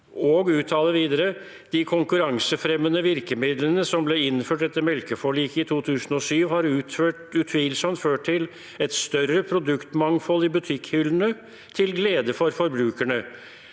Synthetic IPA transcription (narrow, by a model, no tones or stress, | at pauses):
ɔːɡʉːt̪ʰːɑːləʋiːd̪əɾə | d̪̥ɪkʰʊŋkʉɾɑŋsəfɾɛmːənəʋɪɾkəmɪd̪lənəsɔmblɛɪnføːʈɛt̪ːəɾmɛlkəfɔɭiːkəɪt̪ʰuːt̪ʰʉːsn̩ɔsyːʋhɑɾʉːt̪føːʈʉt̪ʰʋiːlsɔmt̪føːʈʰɪl | ɛt̪st̪œrəpʰɾʊd̪ʉkt̪mɑŋfɔlːɪbʉt̪ʰɪkhʏlnə | t̪ʰɪlɡleːd̪əfɔɾfɔɾbɾʉːkæɳə